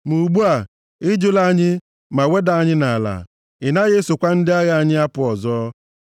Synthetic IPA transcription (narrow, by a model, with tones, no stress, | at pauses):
mu˨ɡ͡bu˦a˨ | ɪ˦d͡ʒʊ˦la˦ɲɪ˦ | ma˨we˦da˨a˦ɲɪ˦na˨la̰˨ | ɪ˨na˦ɣe˦sʊ˨kʷa˦n̩˦dɪ˦a˦ɣa˨a˦ɲɪ˦a˦pʊ˨ɔ˨zɔ˦